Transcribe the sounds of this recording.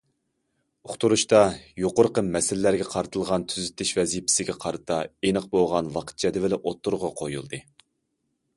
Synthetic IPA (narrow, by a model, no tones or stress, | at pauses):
oχt̪uɾuʃt̪ɑjoqʊɾqəmɛsɪlɪlæɾɡʲɛqʰɑɾɨt̪ʰɨlˠʁɑnt̪ʰyzɪt̪ʰːɪʃvɛzipʰɪ̥sɪɡʲɛqʰɑɾɨt̪ʰɑenɨq̚boʁɑnwɑqʰə̥t̪̚t͡ʃʰɛd̪ɪvɪlɪʔot̪ʰːʊɾʁɑqʰojṵlˠd̪ɨ